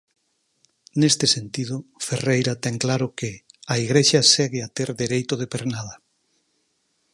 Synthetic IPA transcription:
nest̪ɪsent̪ið̞ʊferejɾat̪ɛŋklaɾʊkɪaiɣɾeʃasɛɣɪat̪eɾðeɾejt̪ʊð̞epeɾnaðɐ

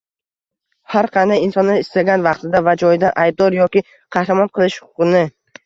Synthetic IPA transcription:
haɾqʰɑnd̪ajinsɒnːɪɪst̪aɡʲanvɑqt̪ʰɪd̪avad͡ʒɒjd̪aʔajb̚d̪ɒɾjɒkʲɪ | qʰɑhɾamɒnqʰɨlˠɪʃhʊʊqɨnɪ

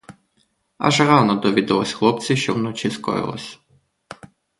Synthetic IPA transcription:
a̰ʒrɑnɔd̪ɔʋʲid̪ɐlˠɔsʲxlˠɔp̚t͡sʲiʃt͡ʃɔwnɔt͡ʃiskɔ̰jɪ̰lˠɔ̰sʲ

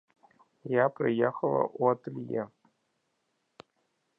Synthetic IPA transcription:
japrʲijexəlˠə̰ʔot̪lʲje

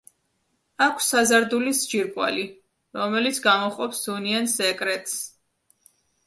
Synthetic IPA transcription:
akʷʰsazaɾd̪ulisd͡ʒiɾkʼwa̰li | ɾɔmɛlit̪sʰɡamɔχʼɔpsd̥uniansɛkʼɾɛt̪ʼs

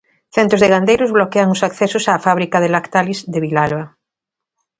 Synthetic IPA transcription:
θent̪ɾozðeɣand̪ejɾozβlokeaŋosakθesʊsaːfaβ̞ɾikað̞elakt̪alizðeβilalβa

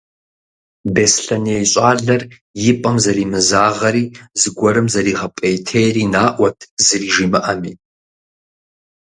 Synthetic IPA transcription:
besɬɐniejɕʼaːɮɐr | jɪpʼɐmzɐɾiːmɨzaːʁɐɾiːzɨɡʷɔɾɨmzɐɾiːʁɐpʼejtʰejɾiːnaːʔʷɐtʰzɨriːʒiːmɨʔɐmiː

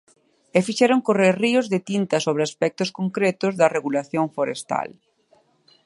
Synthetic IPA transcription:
ɛfiʃɛɾoŋkoreɾriʊzðet̪int̪ɐsoβɾɪaspɛk̚t̪ʊskoŋkɾɛt̪ʊzðɐreɣulaθjoɱfoɾest̪a̰l

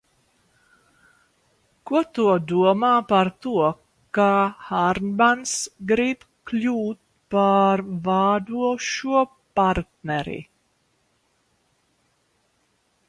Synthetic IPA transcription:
kut̪ud̪uɔmaːpaɾt̪uɔ | kaːhaɾnbansɡɾip | kluːt̪̚ | paɾvaːd̪uɔʃuɔ | paɾt̪nɛɾḭ

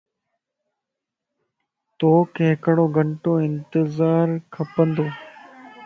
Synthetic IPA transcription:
t̪oːkẽːkəɽoːɡʱəɳʈoːɪnt̪ɪzaːɾkʰəpənd̪oː

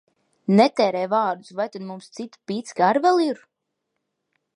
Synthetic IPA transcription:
nɛt̪ɛːɾɛjvaːɾd̪usvajt̪ad̪mumst̪sit̪pit̪sɡaɾvɛlˠiɾ

